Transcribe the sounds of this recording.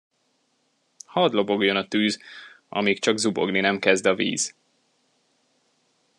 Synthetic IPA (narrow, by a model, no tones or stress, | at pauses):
hɒd̪lo̞bo̞ɡjo̞nɒt̪yːz | ɒ̰miːkt͡ʃɒɡzubo̞̰ɡninɛmkɛzd̪ɒvḭːz̥